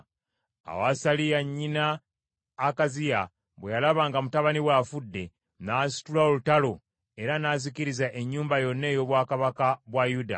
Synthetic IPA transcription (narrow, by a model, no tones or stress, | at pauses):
a̰wasalijaɲːinaː | kazija | βwejalaβaːŋɡamutaβaniwaːfudːe̞ | naːsi̥tulaolutalo̞ | e̞ɾanaːziciɾizaʔe̞ɲːuːmbajo̞nːe̞ːjo̞βwaːkaβakaβwajuda̰